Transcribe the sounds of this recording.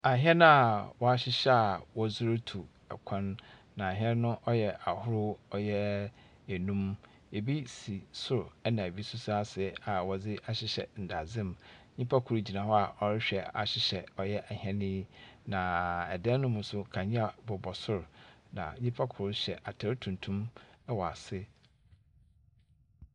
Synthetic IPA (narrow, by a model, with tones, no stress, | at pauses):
a˨ɦɛ˦nʊ̃˦a˨wɔ˦a˦ɕɪ˦ɕɛ˦a˨wɔ˦zʊ˦ɾʊ˦tʰu˨ | ɛ̰˨kʰã˦nː | ã˨a˨ɦɛ˦n˦nʊ̃˦ʔɔ˦jɛ˨a˨hʊ˦ɾʊ˦ɔ˦jɛ˦ | e˨nũ˦m | e˨bi˦si˨sʊ˦ɾɛ˦nã˨e˨bi˦sʊ˦sa˦sɪ˨˦a˨wɔ˨d͡zɪ˦ʔa˨ɕɪ˦ɕɛ̰˨n̩˨da˨zɪ̃˦mɲĩ˦pʰa˦kʰʊ˨ɾʊ˦d͡ʑi˨nã˨hɔ˦a˨ʔɔ˨ɾɪ˦ɕᶣɛ˨a̰˨ɕɪ˨ɕɛ˨ɔ˨jɛ˦ʔa˨hɛ̃˦nĩ˦nã˨ɛ˨dɛ̃˦nʊ̃˦mʊ̃˨sʊ˦kʰã˨ɲĩ˦a˨bɔ˨bɔ˨sʊ˦ɾʊ˨nã̰˨ɲĩ˦pʰa˦kʰʊ˨ʊ˦ɕɛ˨ʔa˨tʰɛ˦ɾtʰũ˨ntʰũ˦mɛ˦wɔ˨a̰˨sɪ˦